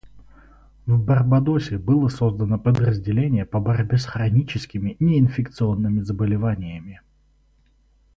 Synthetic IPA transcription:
vbɐrbɐd̪osʲɪbɨlˠəso̞zd̪ənəpəd̪rəzʲdʲɪlʲenʲɪjəpəbɐɾʲbʲesxɾɐnʲit͡ɕɪskʲɪmʲɪnʲɪɪnfʲɪkt̪sɨo̞nːɨmʲɪzəbəlʲɪvanʲɪjəmʲɪ

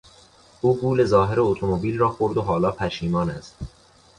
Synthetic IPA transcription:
ʔuːɡuːle̞zɒːɦeɾeot̪ʰo̞mobiːlrɒːxo̞ɾd̪oɦɒːlɒːpʰæʃiːmɒːnæst̪

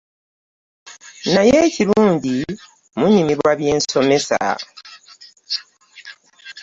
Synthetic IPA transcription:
najeciluːɲɟi | muɲimiɾwwaβjeːnso̞me̞sa̰

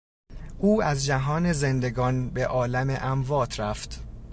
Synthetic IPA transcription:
ʔuːæzd͡ʒæɦɒːne̞zend̪e̞ɡɒːnbe̞ʔɒːlæmeʔæmvɒːt̪ʰɾæft̪

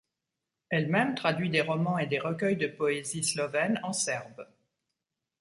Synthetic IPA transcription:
ɛlmɛmt̪χad̪ɥid̪eʁɔmɑ̃ed̪eʁək̬ʲœjd̪əpɔezislɔvɛnɑ̃sɛʁb

